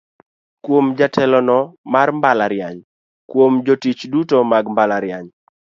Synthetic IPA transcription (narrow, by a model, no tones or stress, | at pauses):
kwomd͡ʒatʰɛlɔnɔmarmbalaɾjaɲ | kwomd͡ʒotit͡ʃdutomaɡmbalaɾjaɲ